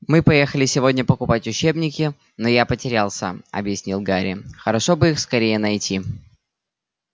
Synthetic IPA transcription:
mɨpɐjexəlʲɪsʲɪvo̞dʲnʲəpəkʊpatʲʊt͡ɕebnʲɪkʲɪ | nojapətʲɪɾʲalˠsʲə̰ɐ̰bjɪsʲnʲilˠɡaɾʲɪ̰xəɾɐʂobɨixskɐɾʲejənɐjtʲi

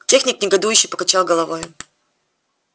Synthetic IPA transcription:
tʲe̞xnʲɪknʲɪɡɐd̪ujʉɕːɪjpə̥kat͡ɕalˠɡəlˠɐvojʊ

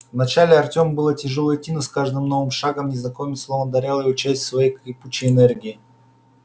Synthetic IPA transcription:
vnɐt͡ɕalʲɪɐrtʲo̞mbɨlˠətʲɪʐolˠəjtʲinəskaʐd̪ɨmno̞vɨmʂaɡəmnʲɪznɐkomʲɪslˠovənd̪ɐɾʲalˠəiʊt͡ɕæsʲtʲsvɐjejkʲɪput͡ɕɪɪnɛrɡʲɪː

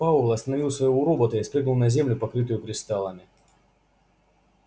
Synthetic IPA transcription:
aʊlˠɐst̪ənɐvʲilˠsvɐjɪvoɾobət̪əɪspɾɨɡnəlˠnɐzʲemlʲʊpɐkɾɨt̪ʊjʊkɾʲɪst̪alˠəmʲɪ

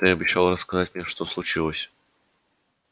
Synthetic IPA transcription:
t̪ɨɐbʲɪɕːalˠrəskɐzatʲmnʲeʂt̪oslˠʊt͡ɕilˠəsʲ

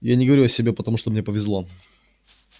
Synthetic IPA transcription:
janʲɪɡəvɐɾʲuɐsʲɪbʲe̞pət̪ɐmuʂt̪omnʲepəvʲɪzlˠo̞

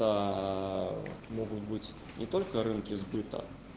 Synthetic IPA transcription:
ɐ | mɔɣʊt̪bɨt͡sʲ | nʲʔɛt̪olʲkɐɾɨnkʲizbɨt̪ɐ̰

